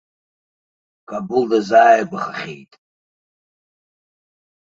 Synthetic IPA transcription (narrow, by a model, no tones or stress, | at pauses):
kʼabuldazaːjabʷaχaχʲḛjtʼ